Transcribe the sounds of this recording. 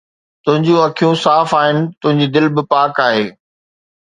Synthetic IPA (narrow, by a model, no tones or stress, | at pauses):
t̪ʊ̃ɦɪ̃ɲd͡ʑũɐkʰijũsaːfaːɦɪnɪ̆t̪ʊ̃ɦɪ̃ɲd͡ʑiːd̪ɪlbɪpaːkaːɦeː